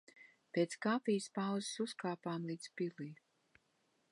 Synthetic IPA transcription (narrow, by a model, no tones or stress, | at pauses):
pʲeːt̪skaːpʲijspawzsuskaːpaːmlˠiːt̪spiliː